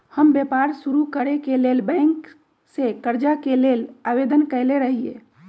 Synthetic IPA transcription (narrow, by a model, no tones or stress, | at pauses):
həmbepaɾsuɾukəɾekelelbɛ̃ŋk | sekəɾd͡ʒakelelaʋed̪ənkəɪleɾəɦije